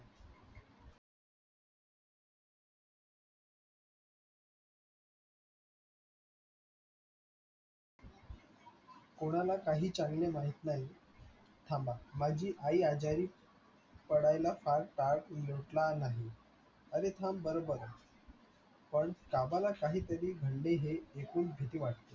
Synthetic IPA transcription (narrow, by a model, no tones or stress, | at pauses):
koɽ̃alakaɦiːt͡ɕaŋɡlemaɦit̪naɦi | t̪ʰãmbamad͡ʑiːʔaiːad͡ʑaɾiː | pəɽajlafaɾʈaɽjoʈlanaɦi | əɾet̪ʰambəɾobəɾ | pəɳkabalakaɦiːt̪əɾiːɡʱəɳɖeɦeːkuːnbʱet̪iːʋaʈt̪e